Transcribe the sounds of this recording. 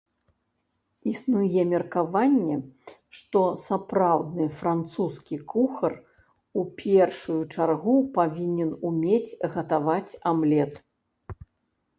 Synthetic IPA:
isnujɛmʲɛrkavanʲːɛʂt̪ɔsapɾawd̪nɨfɾant̪suskʲikʰuxɐr | upʲʰɛrʂujut͡ʂarɣupavʲinʲɛnumʲet͡sʲɣɐt̪avat͡sʲamlʲɛt̪

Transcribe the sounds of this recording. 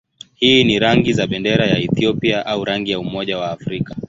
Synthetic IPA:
hiːniɾaŋɡizaɓɛndɛɾajaɛθiɔpiaʔauɾaŋɡijaumɔʄawaːfɾika

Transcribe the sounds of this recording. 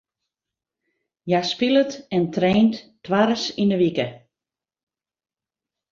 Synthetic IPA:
jaspilətɛntreːnttʋarsindəʋikə

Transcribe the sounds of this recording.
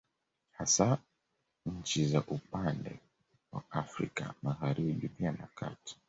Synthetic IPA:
hasa | ɲ̩t͡ʃizaʔupandɛ | wa̰afɾḭka̰maɣaɾiɓipianaka̰ti̥

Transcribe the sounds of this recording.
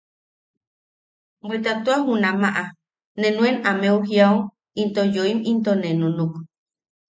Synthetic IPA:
bʷet̪at̪uahunamaʔa | nenũenameuɦjau | int̪ojoimint̪onenunuk

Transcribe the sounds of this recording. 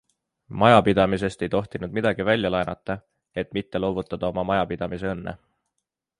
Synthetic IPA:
mɑjɑpid̪ɑmis̬e̞st̪e̞jt̪o̞ht̪inud̪mid̪̥ɑɡ̥ivælʲːjɑlɑenʔɑt̪ːˑɑ | e̞t̪mit̪ːe̞lo̞ːvut̪ːˑɑd̪̥ɑo̞mɑmɑjɑpid̪̥ɑmis̬e̞ɤnːḛ

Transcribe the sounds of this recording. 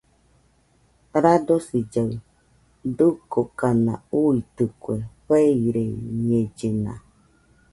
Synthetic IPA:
ɾadosid͡ʒaw | dukokanã̰uit̪ɨkweɸeiɾeɲed͡ʒenã̰

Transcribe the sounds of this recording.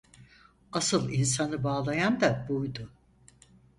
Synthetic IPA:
asɯlˠins̬anɯbaːlˠajand̪abujd̪ʊ

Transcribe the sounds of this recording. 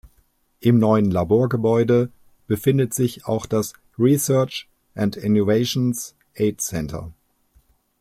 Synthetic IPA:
ʔɪmnɔʏənlaboːɐɡəbɔʏdə | b̥əfɪndətz̥ɪça̰ʊxd̥as | ʁisɜɐt͡ʃ | ʔantɪnjoveɪʃons | ʔeɪtsɛntʰɐ̰

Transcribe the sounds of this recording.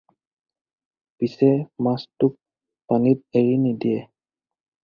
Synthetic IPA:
pisɛmastuk̚ | panit̪̚eɹinidiɛ

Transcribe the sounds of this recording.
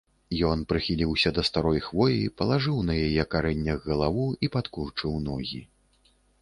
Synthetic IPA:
jɔnpɾɨxʲilʲiwsʲɐd̪ɐst̪aɾɔjxvɔjipɐlˠaʐɨwnɐjajɛkaɾɛnʲːɐɣːɐlˠavuipat̪kurt͡ʂɨwnɔɣʲi

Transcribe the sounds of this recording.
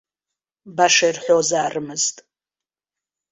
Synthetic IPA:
baʂɐjrħʷozaːrɨmɨztʼ

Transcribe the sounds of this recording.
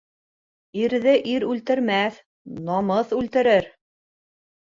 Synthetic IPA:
iɾðɘʔiɾʉlt̪ɘ̆ɾmæθ | nɑmɤθʉlt̪ɘ̆ɾɘɾ

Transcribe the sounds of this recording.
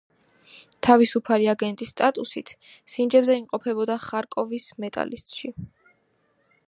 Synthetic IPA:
t̪ʰavisupʰaliaɡɛnt̪ʼisːt̪ʼat̪ʼusit̪ʰ | sind͡ʒɛbzɛimqʼɔpʰɛbɔd̪aχaɾkʼɔvismɛt̪ʼa̰lḭst̪ʼʃi

